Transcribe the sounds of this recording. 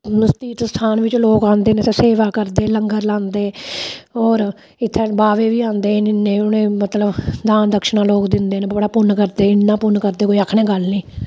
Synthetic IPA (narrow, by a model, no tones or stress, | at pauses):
st̪iːt̪st̪ʰaːnʋɪt͡ʃloːkãːnd̪eːnesːseːʋaːkəɾd̪eːləŋɡəɾlãːnd̪eː | ɔːɾ | ɪt̪ʰːeːbaːʋeːʋiːãːnd̪eːnɪnːẽːʊnẽːmət̪ləbd̪ãːnd̪əkʃnaːloːkd̪ɪnd̪eːneːbəɽaːpʊnːkəɾd̪eːɪnːãːpʊnkəɾd̪eːkoːiəkʰɳeːɡəlniː